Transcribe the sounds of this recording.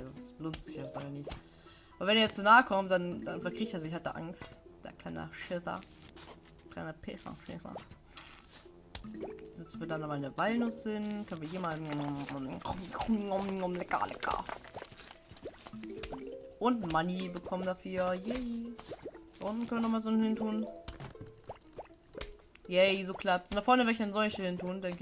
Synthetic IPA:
azossb̥lʊnt͡sɪçasanɪç | ʔabɐvɛneːɐjɛt͡st͡sonaːəkʰɔmt̚d̥and̥anfɛɐkʁ̥iːçteːɐzɪç̬hatd̥ḛɐʔa̰ŋstd̥a̰kʰana̰ʃɪsɐ̰ | kʰlanapʰɛːsa̰ʃɪsa̰ | zɪt͡sn̩vɪdandamaɪnəvalnʊsɪnkʰœnviːɐhiːman̩ɔmkɔmkʰɔmŋɔmŋɔmlɛka̰lɛ̰ka̰ | ʔʊntn̩manibəkʰɔməndafyːɐjɛ | d̥aʔʊntn̩kʰœnviənɔχmaːzoːnhɪntʰuːn | jɛɪzoːkʰl̥ap̚tsɪndɐfɔɐnəvɛɐçanzɔlçəhɪntʰuːndɛŋkə

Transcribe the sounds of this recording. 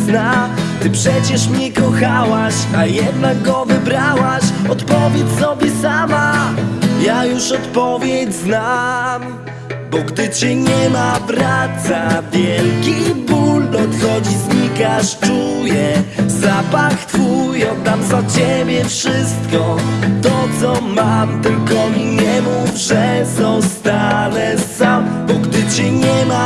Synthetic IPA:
znat̪ɘpʂɛt͡ɕɛʂmɲɛkɔxawaɕajɛd̪naɡɡɔvɨbɾawaɕɔt̪pɔvʲjɛt͡ɕsɔbʲjɛsama | jajuʂɔt̪pɔvʲjɛd͡ʑznam | bɔɡd̪ɘt͡ɕɛɲɛmabɾat̪savʲjɛlkʲibulːɔt̪xɔd͡ʑizɲikaʂt͡ʂujɛzapaxt̪fujɔ̃t̪amzat͡ɕebʲjɛfʂɪst̪̚kɔt̪ɔt̪sɔmamt̪ɘlkɔijɛmuvʐɛsɔ̃w̃st̪alɛsambɔɡd̪ɨt͡ɕɛɲɛma

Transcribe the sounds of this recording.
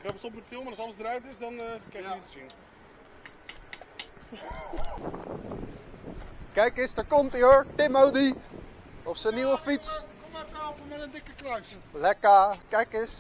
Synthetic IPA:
kɛbəsɔmutfɪlˠmənɑsɑlˠəzdɾajtɪsdɑnkanitsin | kɛjkɪstəɹkɔntɪoɹtɪmowdi | ɔfsəniwəfitskɔmɛfɔpəmɛtəndɪkəkrœɥs | lɛkakɛjkɪs

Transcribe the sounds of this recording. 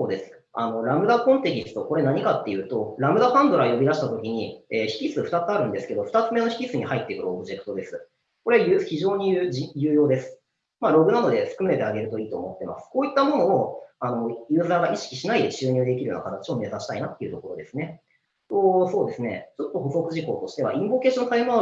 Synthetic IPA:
soːd̪e̞sɨ̥ | a̰no̞ɾamɯ̟d̪akõ̞nt̪e̞kʲisɨ̥t̪o̞ko̞ɾe̞naɲ̟ikat̪ːe̞jɯ̟ːt̪o̞ɾamɯ̟d̪apãnd̪o̞ɾajo̞bʲiɾaɕi̥t̪at̪o̞kʲiɲ̟ieːçi̥kʲisɨɸɯ̟t̪at͡sɨaɾɯ̟̃nd̪e̞sɨ̥ke̞d̪o̞ɸɯ̟̥t̪at͡sɨme̞no̞çi̥kʲisɨɲ̟ihait̪ːekɯ̟ɾːbɯ̟ʑe̞kɯ̥t̪o̞d̪e̞sɨ̥ | ko̞ɾeajɯːçiʑo̞ːɲ̟ijijɯːjo̞ːd̪e̞sɨ̥ | maːɾo̞ɡɯ̟nano̞d̪e̞sɨ̥kɯ̟me̞t̪eaɡe̞ɾɯ̟t̪o̞iːt̪o̰ːmo̞t̪ːe̞ma̰sɨ̥koːit̪ːamo̞no̞ːano̞jɯ̟ːzaːɡaʔiɕi̥kʲi̥ɕinaid̪e̞t͡ɕɨːɲ̟ɨ̟ːd̪e̞kʲiɾɯjoːna̰kʰat̪at͡ɕio̞me̞sãɕi̥t̪ainat̪ːe̞iɯ̟t̪o̞ko̞ɾo̞d̪e̞sɨne̞ | t̪oso̞ːd̪e̞sɨne̞̰t͡ɕo̞t̪ːo̞ɦo̞so̞kɯ̟ʑiko̞̰ːt̪o̞ɕi̥t̪e̞β̞a̰ʔĩmbo̞ke̞ːɕont̪aima

